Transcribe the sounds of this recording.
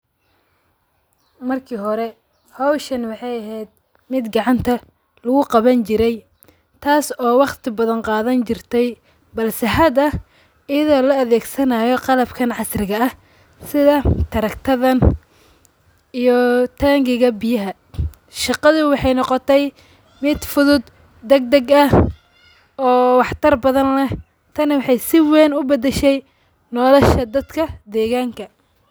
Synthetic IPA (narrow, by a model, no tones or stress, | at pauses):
mɐrkʰiːɦɔɾɛ | hɔwʃɐnwɑħɑjɐɦɛjd̪̚ | mɪd̪ɡɑʕɑnt̪ʰɐ | lʊɣʊqɑβɐnt͡ʃɪɾɛj | t̪ʰaːsɔːwɑqt̪ʰɪbɐðɐnqɑːðɐnt͡ʃɪrt̪ʰɛj | bɐlsɛħɐd̪ɐ | ɪjɐðɔːlɔɐðɛːɡsɐnaːjɔqɑlɐbkʰɐnʕɑsrɪɣɐɐh | sɪðɐt̪ʰɐɾɐkt̪ʰɐðɐn | ijɔt̪ʰaːŋɡɪɣɐbɪjɐɦɐ | ʃɑqɑðʊwɑħɑjnɔqɔt̪ʰɛj | mɪd̪fʊðʊd̪ | d̪ɛɡ̚d̪ɐɡɐ | ɔːwɑħt̪ʰɐrbɐðɐnlɛ | t̪ʰɐnwɑħɑjsɪwɛːnʊbɐd̪ɛʃɛj | nɔːlɔʃɐd̪ɐd̪kʰɐd̪ɛːɣaːŋkʰɐ